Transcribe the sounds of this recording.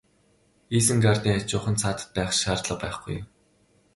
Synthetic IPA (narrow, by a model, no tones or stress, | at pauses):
iːsɘ̆ŋɡart̪ʲiːat͡ɕʊːχə̆nt͡sʰaːt̪ə̥̆t̪̚pæːχʃaːrt̪ɮə̆qpæːχɡ̥ṵj